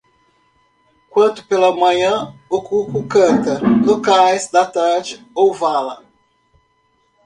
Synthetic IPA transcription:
kwɐ̃nt̪ʊ̥pelɐmɐ̃ɲɐ̃okukʊkɐ̃t̪ɐlokajzd̪ɐt̪aɾd͡ʒɪ | owvalɐ

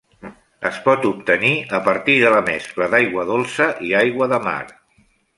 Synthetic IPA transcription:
ə̰spɔt̪up̚t̪əniəpəɾt̪iðələmɛ̰skləðajɣwəðolˠsəʔiajɣwəðəma̰ɾ

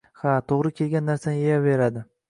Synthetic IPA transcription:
hat̪ʰoʁɾɪkʲʰe̞lɡʲanːaɾsanɪejave̞ɾad̪ɪ

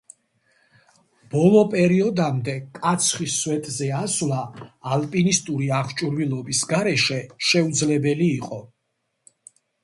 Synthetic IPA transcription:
b̥ɔlˠɔpʼɛɾiɔd̪amd̪ɛkʼat̪sʰχiswɛt̪ʼzɛaslaːlpʼinist̪ʼuɾiaχt͡ʃʼuɾvilˠɔbisɡaɾɛʃɛʃɛud̪zlɛbɛliːqʼɔ

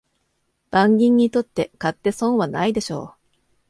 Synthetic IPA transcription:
b̥ãŋɡʲĩɲ̟ːit̪o̞t̪ːe̞kat̪ːe̞sõɰ̃βanaid̪e̞ɕo̞̰ː

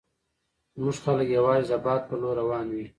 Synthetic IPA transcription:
muʐxaləkjawɑːzizabɑːt̪̚pəloɾawɑːnwi

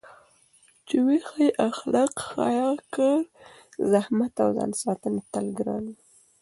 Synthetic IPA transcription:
t͡ʃiwexajʔaxlɑqxɑ̰jɑkəɾ | zahmat̪a̰wzɑ̰nsɑt̪ənet̪alɡɾɑ̰ni

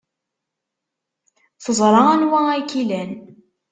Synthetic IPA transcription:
θəzˤɾˤɑænwæækilæn

